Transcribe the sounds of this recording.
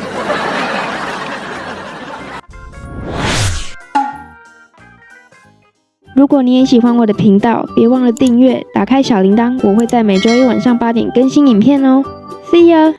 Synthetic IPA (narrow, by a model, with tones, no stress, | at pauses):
ɻu˧˥kwɔ˨˩ni˧˥˦jɛ˧˥ɕi˨˩xwa˧nwɔ˨˩d̪ə˩pʰi˧˥ŋt̪ɑ˥˨ʊpjɛ˧˥wɑ˥˩ŋlə˨˩t̪i˥˧ŋɥɛ˥˨t̪a̰˨˩kʰa˦ɪɕjɑ˨˩ʊli˧˥ŋt̪ɑ˥ŋwɔ˨˩xwe˥˧ɪt͡sa˥˩ɪme˨˩ɪʈ͡ʂo˥ʊ˥˩wa˨˩nʂɑ˥˩ŋpa˥t̪̬jɛ̰˨˩nkə˦˥nɕi˦ni˨˩npʰjɛ˥˨no˧˦ | si˥˩ə˨˦